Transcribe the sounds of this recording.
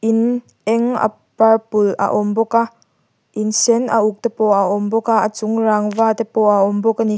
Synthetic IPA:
ʔin | ɛŋa̰ | pɐrpʊla̰ʔɔmbɔka | ʔinsɛnɐ̰uk̚t̪ɛpɔʔaʔɔmbɔkaʔɐt͡sʊŋraːŋvaːt̪epɔaɔmbɔkani

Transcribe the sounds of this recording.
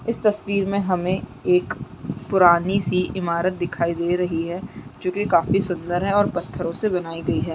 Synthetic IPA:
ɪst̪ɐswiːɾmẽɦɐmẽeːk | pʊɾaːnisiʔɪmaːɾət̪̚d̪ɪkʰaːid̪eːɾɐɦiɦɛːd͡ʒoːkikaːfisʊ̃nd̪əɾɦɛɔːɾpɐt̪ʰːəɾõsebɐnaːiɡɐiɦɛː

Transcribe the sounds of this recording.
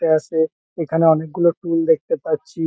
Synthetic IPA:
ʈeaʃe | ekʰaneɔnek̚ɡuloʈuld̪ek̚t̪epatːɕʰi

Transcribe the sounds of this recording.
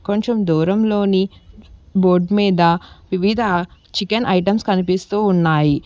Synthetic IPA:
koɲt͡ʃɐmd̪uːɾɐmlo̞ːni | boːɾɖmiːd̪ɐʋiʋid̪ʱɐt͡ʃikɐnʔɐjʈɐmskɐnipist̪uːunːaːji

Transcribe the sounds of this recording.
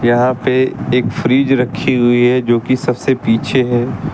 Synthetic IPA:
jɐɦãpeeːkfɾiːd͡ʒɾɐkʰːiɦʊiɦɛd͡ʒoːkisɐbsepiːt͡ʃʰeɦɛː

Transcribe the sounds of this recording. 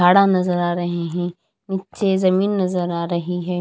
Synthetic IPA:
aːɽanɐzəɾaːɾɐɦeɦɛ̃ː | nɪtt͡ʃezɐmiːnːɐzəɾaːɾɐɦiɦɛː

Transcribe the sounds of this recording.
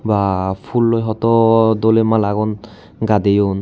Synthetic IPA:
bapʰulːojɦɔtɔdolemalaɡɔn | ɡadejun

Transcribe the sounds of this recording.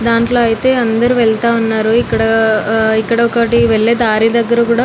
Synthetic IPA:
d̪aːɳʈlo̞ːɐjit̪e̞ːɐnd̪ɐɾuʋɛɭt̪aːʋɐnːaːɾuikːɐɽɐikːɐɽɐɔkɐʈiʋɛɭːeːd̪aːɾid̪ɐɡːɐɾɐkuːɽaː

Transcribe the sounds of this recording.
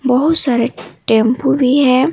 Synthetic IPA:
bɔɦʊt̪saɾeʈẽmpubʱiɦɛ̃

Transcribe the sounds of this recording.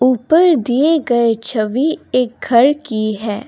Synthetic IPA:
uːpəɾd̪ieɡɐet͡ʃʰɐʋieːk̚ɡʱɐɾkiɦɛː

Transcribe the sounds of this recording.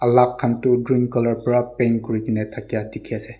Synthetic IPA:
ɐlakʰːantudɹiŋkkːɔlɔɹpɾapenkuɹikinetʰakijatikʰiase

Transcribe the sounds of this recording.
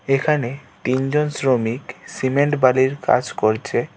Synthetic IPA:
ekʰane | t̪ind͡ʑonsɾomiksimeɳʈbaliɾka̰d͡ʑkoɾt͡ɕʰe

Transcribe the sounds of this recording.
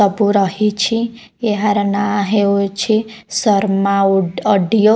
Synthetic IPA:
ʌbuɾʌɦit͡ʃʰi | eɦaɾnaɦeot͡ʃʰisʌɾmaʌɖijo

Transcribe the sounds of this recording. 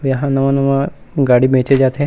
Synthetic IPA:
ʋjɐɦãnɐʋãnɐmãɡaːɽibʱẽːt͡ʃed͡ʒaːt̪ɦẽ

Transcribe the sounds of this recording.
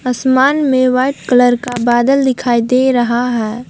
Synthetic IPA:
əsmaːnmẽʋaɪʈkələɾkabaːd̪əld̪ɪkʰaːid̪eɾəɦaɦɛː

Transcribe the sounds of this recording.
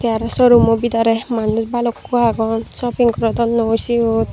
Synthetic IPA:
t̪jaɾasɔɾumɔbid̪aɾemanusbalɔkːuaɡɔnsɔpiŋkɾɔd̪ɔnːɔosiot̪

